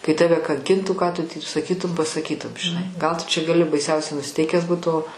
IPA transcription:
kɐɪ ˈtɑːʋʲɛ kɐŋʲˈkʲɪntuː kɑː tʊ tʲiːp sɐˈkʲiːtʊm pɐsɐˈkʲiːtʊm ʒʲɪˈnɐɪ ɡɐlˠ tʊ t͡ʃʲɛ ɡɐˈlʲɪ bɐɪˈsʲɛʊsʲɛʊ nʊsʲɪˈtʲɛɪkʲæːs ˈbuːt oː

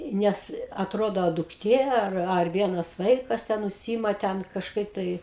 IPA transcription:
ˈnʲɛs ɐtˈroːdoː dʊkˈtʲeː ˈɐr ɐr ˈʋʲiɛnɐs ˈʋɐɪkɐs ˈtʲɛn ʊʃʲˈsʲiːɪmɐ ˈtʲɛn kɐʃˈkɐɪp tɐɪ

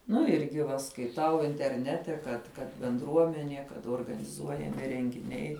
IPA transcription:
nʊ ˈɪrʲɡʲɪ ʋɐ skɐɪˈtɐʊ ɪnʲtʲɛrʲˈnʲæːtʲɛ kɐt kɐt bʲɛnˈdruɔmʲɛnʲiɛ kɐt oːrɡɐnʲɪˈzuɔjɛmʲɪ rʲɛŋʲɡʲɪˈnʲɛɪ

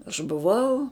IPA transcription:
ɐʃ bʊˈʋɐʊ

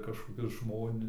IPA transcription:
kɐʃkoːˈkʲʊs ˈʒmoːnʲɪ

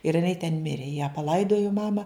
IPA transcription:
ɪr ɪˈnɐɪ tʲɛn ˈmʲɪrʲeː jæː pɐˈlˠɐɪdoːjoː ˈmɑːmɐ

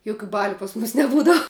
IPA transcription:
ˈjʊkʲʊ ˈbɑːlʲʊ pɐs ˈmʊs nʲɛˈbuːdɐw

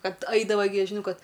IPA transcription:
ˈkɐt ˈɐɪdɐʋɐɪ ɡʲɪ ʒʲɪˈnɐʊ ˈkɐt

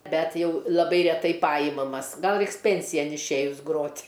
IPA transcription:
ˈbʲɛt ˈjɛʊ lˠɐˈbɐɪ rʲɛˈtɐɪ ˈpɑːjɪmɐmɐs ˈɡɐlˠ ˈrʲɛɪks ˈpʲɛnʲsʲɪjɛn ɪʃʲˈeːjʊs ˈɡroːtʲ

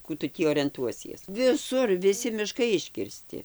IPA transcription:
ˈkuː tʊ tʲiː oːrʲɛnˈtuɔsʲiɛs ʋʲɪˈsʊr ʋʲɪˈsʲɪ mʲɪˈʃkɐɪ ɪʃʲkʲɪrʲˈsʲtʲɪ

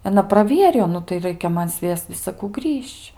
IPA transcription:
ɐˈnɐ prɐˈʋʲiɛrʲɪjoː ˈnʊ tɐɪ ˈrɐɪkʲɛ ˈmɐn ˈsʲʋʲiɛst͡s ʋʲɪsɐˈkuː ˈɡrʲiːʃʲt͡ʃʲ

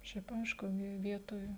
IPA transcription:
ˈʃʲɛɪp ˈɐɪʃkʊ ˈʋʲɪ ˈʋʲiɛtoːj

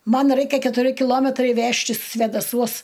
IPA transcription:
ˈmɐn ˈrɐɪkʲɛ kʲɛtʊˈrʲɪ kʲɪˈlˠoːmʲɛtrɐɪ ˈʋʲæːʃʲtʲɪs sʲʋʲeːdɐˈsuɔs

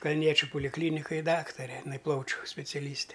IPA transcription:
kɐlʲˈnʲiɛt͡ʃʲʊ poːlʲɪkˈlʲiːnʲɪkoːj ˈdɑːktɐrʲɛ ɪˈnɐɪ ˈplˠɐʊt͡ʃʲʊ sʲpʲɛt͡sʲɛˈlʲiːsʲtʲɛ

